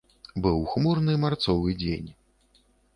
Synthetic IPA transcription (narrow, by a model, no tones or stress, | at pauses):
bɨwxmurnɨmart̪sɔvɨd͡zʲḛnʲ